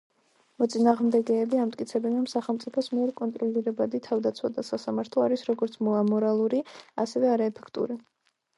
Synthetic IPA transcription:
mɔt̪sʼinaːʁmd̪ɛɡɛːbiamt̪ʼkʼit̪sʰɛbɛnɾɔmsaχɛlˠmt̪sʼipʰɔsmiɛɾkʼɔnt̪ʼɾɔliɾɛbad̪it̪ʰavd̪at̪sʰwad̪asasamaɾt̪ʰlˠɔaɾisɾɔɡɔɾt̪sʰmɔamɔɾalˠuɾia̰sɛvɛaɾaɛpʰɛ̥kʰt̪ʼṵɾi

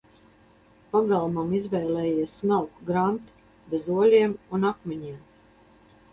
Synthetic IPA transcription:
paɡalˠmamizvɛːlɛːjiɛsmalkɡɾant̪u̥ | bezuɔlʲiɛmunakmʲɛɲiɛm

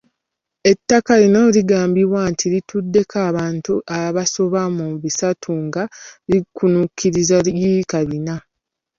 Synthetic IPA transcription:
e̞tːakalino̞liɡaːmbiβwantʰiɾitʰudːe̞kʰaːβaːntuʔaβaso̞βamuβisatʰuŋɡalikʰunukʰːiɾizaikaβina

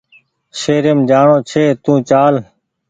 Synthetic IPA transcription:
seːɾəmd͡ʒaːɳõːt͡ʃʰeːt̪ũːt͡ʃaːl

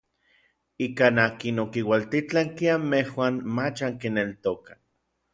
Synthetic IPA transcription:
ikanaːkinokiwalt̪it͡ɬaŋkiamehwaːnmat͡ʃaŋkinelt̪okḁ

